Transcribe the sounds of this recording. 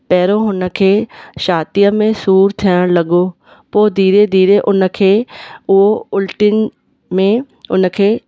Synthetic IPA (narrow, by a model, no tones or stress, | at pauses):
pɛːɾoɦʊnəkʰeːʃaːt̪ijəmẽsuːɾt̪ʰɪəɽ̃ləɡoː | poːd̪iːɾed̪iːɾeʔʊnəkʰeːʊɦoʊlʈɪn | mẽ | ʊnkʰeː